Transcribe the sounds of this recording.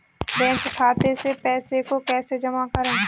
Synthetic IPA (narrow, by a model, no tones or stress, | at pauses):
bɛ̃ːkkʰaːt̪esepɛːsekokɛːsed͡ʒəmakəɾẽː